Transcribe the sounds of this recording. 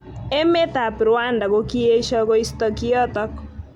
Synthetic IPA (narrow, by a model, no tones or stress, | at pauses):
emet̪apɾʊandaɡokieʃɔkoist̪ɔkiɔt̪ɔk